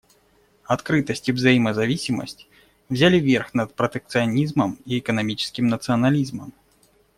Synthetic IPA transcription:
ɐt̪kɾɨt̪əsʲtʲivzɐjiməzɐvʲisʲɪmə̰sʲtʲ | vzʲalʲɪvʲerxnɐt̪̚pɾət̪ɨk̚t̪sɨɐnʲizməmiɛkənɐmʲit͡ɕɪ̥skʲɪmnət̪sɨɐnɐlʲizməm

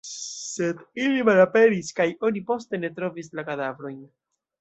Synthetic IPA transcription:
se̞dilimalape̞ɾiskajo̞nipo̞ste̞ne̞tɾo̞vislakadavɾo̞jn

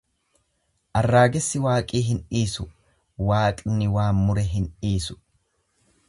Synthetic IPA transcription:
ʔɐrːaːɡɛsːɪwaːkʼiːɦɪnʔiːsʊ | waːkʼnɪwaːmmʊɾɛɦɪniːsʊ̥

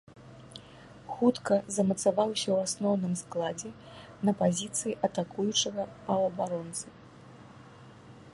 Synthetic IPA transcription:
xut̪kɐzɐmɐt̪savawsʲɐwasnɔwnɨmsklˠad͡zʲɛ | nɐpazʲit̪sɨjiʔɐt̪akujut͡ʂɐɣɐpɐwɐbaɾɔnt̪sɨ

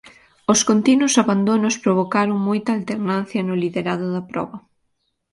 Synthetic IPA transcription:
ʊskont̪inʊsaβand̪onʊspɾoβ̞okaɾoŋmojt̪ɐaːlt̪eɾnanθjɐnʊliðeɾaðʊðɐpɾɔ̰βɐ

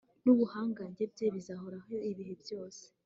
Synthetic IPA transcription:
nuβuhaːŋɡaɲɟe̞b̚ɟeβizaɦoɾaɦoiβiɦebjo̞ːse̥

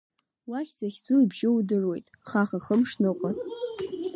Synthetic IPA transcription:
waχʲsaχʲd͡zuibʒɪwudɨrwe̞jtʼχaχaχəmʂnɨqʷʼatʼ

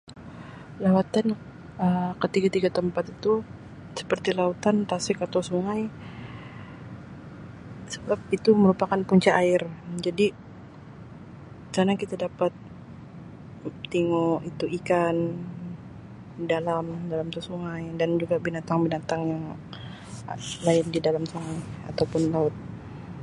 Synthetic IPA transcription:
lawat̪an | əkət̪iɡat̪iɡat̪əmpat̪it̪u | sə̥pərt̪ilaut̪ant̪asɪkat̪asuŋaj | səbap̚it̪uməɾupakanpuɲt͡ʃaʔːɪrd͡ʒadi | kɾanakit̪adapat̪ | iŋoit̪uikan | dalamdalamt̪usuŋajdand͡ʒuɡabinat̪aŋbinat̪aŋjaŋ | laɪndidalamsuŋaja̰t̪awpʊnlaʊt̪̚

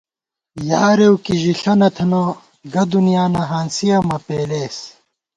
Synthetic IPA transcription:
jaːɾewkiʑiɬɐnɐt̪ʰɐno | ɡɐd̪unijaːnɐɦaːnsijɐmɐpeːleːs

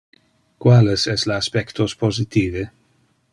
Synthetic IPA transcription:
kwalesɛsleaspɛkt̪ospozit̪iːve

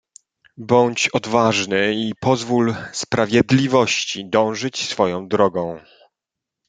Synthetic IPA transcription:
bɔɲt͡ɕɔd̪vaʐnɘipɔzvulspɾavʲjɛd̪lʲivɔɕt͡ɕid̪ɔ̃w̃ʐɘt͡ɕsfɔjɔ̃w̃d̪ɾɔɡɔ̃w̃

